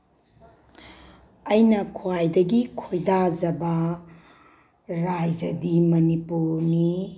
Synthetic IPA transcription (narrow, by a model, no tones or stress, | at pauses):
ɐjnɐkʰuwajdɐɡikʰojdad͡ʒɐbɐ | ɾajd͡ʒɐdimɐnipuɾni